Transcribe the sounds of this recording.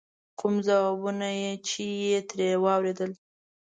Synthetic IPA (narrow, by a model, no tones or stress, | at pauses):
kʰumzawɑbunajet͡ʃejet̪ɾewɑwɾed̪əl